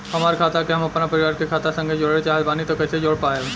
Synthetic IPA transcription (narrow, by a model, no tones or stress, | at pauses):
ɦəmaːɾkʰaːt̪akeɦəmɐpnapəɾiʋaɾkekʰaːt̪asə̃ŋɡʱed͡ʒoːɽet͡ʃaɦebaːnit̪ɔkəsed͡ʒoɽpaje